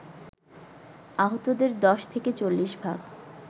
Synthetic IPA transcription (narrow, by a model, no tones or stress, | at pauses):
aɦot̪od̪eɾd̪ɔʃt̪ʰeket͡ɕolːiʃbʱaɡ